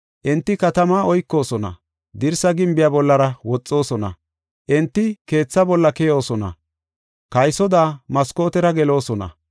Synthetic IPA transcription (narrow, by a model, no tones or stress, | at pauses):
ʔɛnt̪ːɪkɐt̪ɐmaːɔjkːo̞ːsɔnɐ̰ | d̪ɪɾsɐɡɪmbɪjaːbɔlːɐɾɐwɔt͡sʼːo̞ːsɔnɐ̰ | ʔɛnt̪ːɪke̞ːt͡sːɐbɔlːɐkɛjo̞ːsɔnɐ̰ | kɐjsɔd̪aːmɐsko̞ːt̪ɛɾɐɡɛlo̞ːsɔnɐ̰